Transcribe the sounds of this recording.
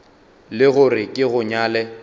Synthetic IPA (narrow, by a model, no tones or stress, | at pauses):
lɪɣʊrɪkʼɪɣʊɲaːlɛ